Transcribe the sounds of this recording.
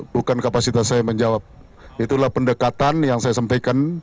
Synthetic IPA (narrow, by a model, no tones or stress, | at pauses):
bukankapasit̪asːajaməɲd͡ʒawap̚ | it̪ulahpəndəkat̪anjaŋsajasampajkan